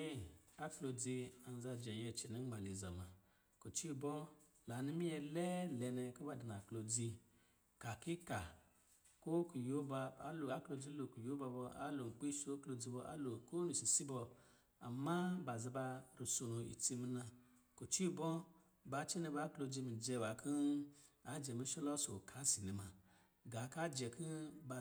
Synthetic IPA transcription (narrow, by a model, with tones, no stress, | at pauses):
ɛ˦a˦klo˧d͡zi˧a˨n˨za˧˨d͡ʒɛ˨ɛ˧˨t͡ʃi˨ni˨˦ma˨li˨za˨ma˨ | ko˨t͡ʃi˦˨bɔ˦ | la˨˦ni˦mi˦jɛ˧lɛ˦lɛ˨nɛ˧˨ko˦ba˧˨di˨n˨a˨klo˧d͡zi˧ | ka˨ki˦ka˨ | ko˦ku˨jo˦ba˧a̰˦lo˨a˦klo˧d͡zi˦lo˨ku˨jo˦ba˧bɔ˧a̰˦lo˨k͡pi˦so˦klo˧d͡zi˧bɔ˧ʔa̰˦lo˨ko˦nu˨si˨si˦bɔ˧ | a̰˨ma˦ba˨zi˧ba˧ɾi˨so˨nu˧ḭ˨t͡si˧mi˧na˧ | ko˨t͡ʃi˦bɔ˦ | ba˧˦t͡ʃi˦nɛ˧ba˧˦klo˧d͡zi˧mi˨d͡ʒɛ˧wa˨kʰi˦a˨˦d͡ʒɛ˨mi˧˦ʃɔ˦lɔ˦so˨kʰa˨˦si˨ni˨ma˧ | ɡa˨˦ka˦d͡ʒɛ˨kʰi˦ba˧